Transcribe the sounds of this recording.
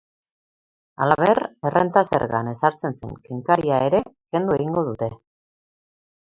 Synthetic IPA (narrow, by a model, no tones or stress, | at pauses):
alaβe̞rerent̪ase̞̰ɾɣa̰ne̞saɾt͡se̞nsḛŋkeŋkaɾiae̞ɾe̞ke̞nd̪ue̞ɣiŋɡo̞ðut̪e̞